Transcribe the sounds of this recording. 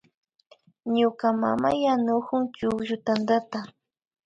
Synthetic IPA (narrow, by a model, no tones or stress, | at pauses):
ɲʊkama̰majanʊkʊŋt͡ʃʊkʒʊt̪and̪at̪a